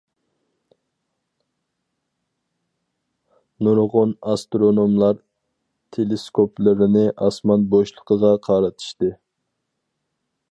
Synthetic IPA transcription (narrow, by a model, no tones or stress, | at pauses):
nuɾʁonɑst̪ɾonomlˠɑɾ | t̪ʰeleskʰopʰlɪɾɪnɪʔɑsmɑnboʃlˠəqʰəʁɑqʰɑːɾɨt̪ʰɨ̥ʃt̪ɨ